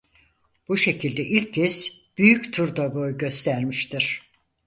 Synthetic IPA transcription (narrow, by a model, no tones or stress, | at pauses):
b̥uʃe̞cʰilʲd̪ɛʔilʲccʰːɛs | b̥yjyct̪ʰuɾd̪abo̞jɟø̞st̪ʰæɾmiʃt̪ʰiɾ̥